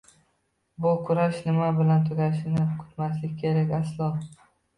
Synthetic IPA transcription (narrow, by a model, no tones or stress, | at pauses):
bʊkʰʊɾaʃnɪmabɪlant̪ʰʊɡʲaʃɪnɪkʰʊ̥t̪maslɪkʲkʲʰe̞ɾakʲaslˠɒ